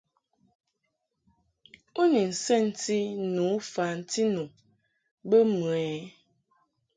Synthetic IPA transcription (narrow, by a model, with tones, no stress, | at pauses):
o˦ni˨n̩˨sɛ˦n̩˦ti˦nũ˨˦fa˨n̩˦ti˦nũ˨ | bə˦mu˨ɛ˨